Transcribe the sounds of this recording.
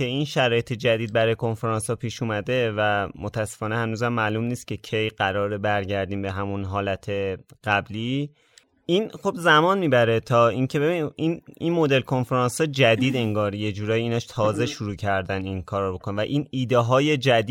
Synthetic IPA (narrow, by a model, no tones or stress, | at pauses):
e̞inʃæɾɒːje̞t̪ʰe̞d͡ʒæd̪iːd̪̚bæɾɒːjekʰo̞nfeɾɒːnshɒːpʰiːʃuːmæd̪e̞væmo̞t̪ʰæsːe̞fɒːnehænuːzæmːælumniːst̪̚cʰe̞cʰe̞jɢæɾɒːɾebæɾɟæɾd̪iːmbe̞ɦæmunɦɒːlæt̪ʰe̞ɢ̥æbliː | ʔinχobzæmɒːnmiːbæɾe̞t̪ʰɒːiŋcʰe̞be̞βiininmo̞d̪e̞lkʰo̞nfeɾɑnsɒːd͡ʒæd̪iːd̪e̞ŋɡɒːɾje̞d͡ʒuːɾɒːjiiːnɒːʃt̪ʰɒːze̞ʃuɾuːcʰæɾd̪æninkʰɒːɾbo̞kʰonevæʔiːniːd̪eɦɒːje̞d͡ʒæd̪